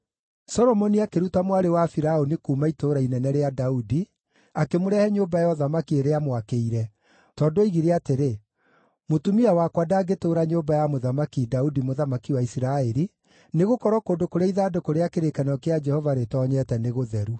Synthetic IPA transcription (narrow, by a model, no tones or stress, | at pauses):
sɔɾɔmɔniakeɾutamwaɾewafiɾaonikuːmaitoːɾainɛnɛɾeadaudi | akemoɾɛhɛɲoːbajɔðamakieɾeamwakeiɾɛ | tɔːdoiɣiɾeateɾe | motumiawakwadaɡetoːɾaɲoːbajamoðamakidaudimoðamakiwaisiɾaɛɾi | neɣokɔɾɔkoːndokoɾeaiðaːdokoɾeakeɾekanɔkead͡ʒɛhɔvaɾetɔɲɛtɛneɣoðɛɾu